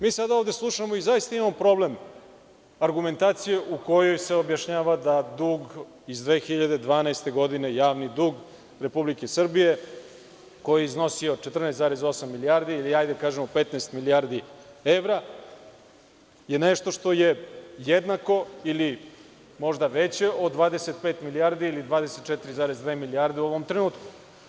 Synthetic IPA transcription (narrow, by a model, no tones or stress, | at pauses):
miːsad̪aovd̪e̞slˠuʃamo̞izajist̪aimamopɾo̞ble̞m | aɾɡume̞nt̪aːt̪sije̞ʔuko̞jo̞jseo̞bjaʃɲaːʋad̪ad̪uːɡ | izd̪ʋe̞ːxiʎad̪e̞d̪ʋaːnaest̪e̞ɡo̞d̪ine̞jaːʋnid̪uːɡ | ɾe̞publikesr̩bije | ko̞jeizno̞sio̞t͡ʃet̪r̩najst̪zaːɾe̞zo̞samːilijaɾd̪iiliajd̪ekaːʒemope̞t̪naest̪miliaɾd̪ieʋɾa | je̞neʃt̪o̞ʃt̪o̞je̞jed̪nako̞ili | mo̞ʐd̪aʋet͡ɕe̞od̪ʋaːd̪ese̞t̪̚pet̪milijaɾd̪iːlid̪ʋaːd̪eset̪̚t͡ʃet̪iɾizaːɾezd̪ʋeːmiliaɾd̪euo̞ʋo̞mt̪ɾenuːt̪ku̥